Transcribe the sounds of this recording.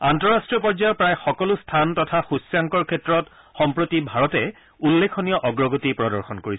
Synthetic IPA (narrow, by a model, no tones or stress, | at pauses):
antɔɹastɹijɔpɔɹd͡ʒajɔpɹajxɔkɔlʊstʰantɔtʰaxusjaŋkɔɹkʰɛtɹɔt | xɔmpɹotibʱaɹɔtɛ | ulːekʰɔnijɔʔɔɡɹɔɡotipɹɔdɔɹxɔnkoɹis